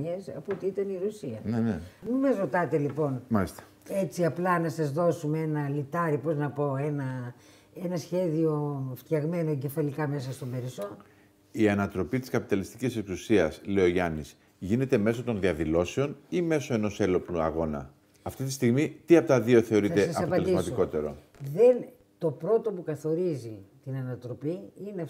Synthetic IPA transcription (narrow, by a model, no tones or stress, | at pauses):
esɐpuot̪iit̪ɐniɾusiɐnenemimɐzɾo̞t̪ɐt̪elipo̞nmɐlist̪ɐ̥ | e̞t͡siɐplɐnɐsɐzðo̞sumeenɐlit̪ɐɾipo̞znɐpo̞enɐ | e̞nɐsçe̞ðio̞ft̪çɐɣme̞noɟe̞fɐlikɐme̞sɐst̪o̞be̞ɾiso | iɐnɐt̪ɾo̞pit̪i̥skɐpit̪ɐlist̪i̥cise̞ksusiɐsle̞o̞ʝɐnis | ʝine̞t̪e̞me̞so̞t̪o̞nðiɐðilo̞seo̞nime̞so̞e̞no̞se̞lo̞pluɐ̰ɣo̞nɐ̰ | ɐft̪it̪ist̪iɣmit̪iɐpo̞t̪ɐðio̞θe̞o̞ɾie̞sɐsʔɐsɐppɐeled̪ismɐst̪oko̞t̪e̞ɾo̞̰ | ðen | t̪o̞pɾo̞t̪o̞pukɐθo̞ɾizit̪inɐnɐt̪ɾo̞piine